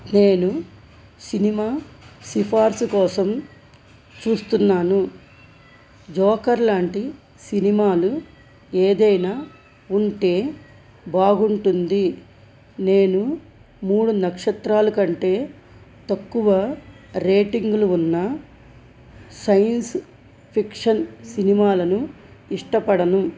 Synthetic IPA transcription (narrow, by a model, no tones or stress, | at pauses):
ne̞ːnu | sinimaːsipʰaːɾskɔːsɐm | t͡ʃuːst̪unːaːnu | d͡ʒɔːkɐɾlaːɳʈi | sinimaːlu | eːd̪ɐjnaː | uɳʈe̞ː | baːɡuɳʈund̪i | ne̞ːnu | muːɽunɐkʂɐt̪ɾaːlɐkɐɳʈe̞ː | t̪ɐkːuʋɐɾe̞ːʈiŋɡluunːɐ | sɐjɐns | pʰikʂɐnsinimaːlɐnu | iʂʈɐpɐɽɐnu